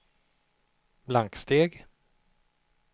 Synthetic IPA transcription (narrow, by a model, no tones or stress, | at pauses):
blaŋkst̪eːɡ